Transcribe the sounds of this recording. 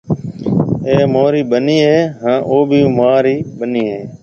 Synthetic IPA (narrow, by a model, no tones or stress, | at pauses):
eːmoːɾiːɓəniːɦeːɦãːʔoːbʱiːmaːɾiːɓəniːɦeː